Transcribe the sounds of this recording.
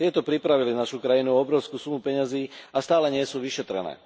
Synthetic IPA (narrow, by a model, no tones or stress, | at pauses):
t̪ɪɛt̪ɔpɾipɾaʋilinaʃukɾajinuɔbɾɔʊskuːsumupɛɲaziːast̪aːlɛɲɪɛsuːʋiʃɛt̪ɾɛ̰nɛ̰ː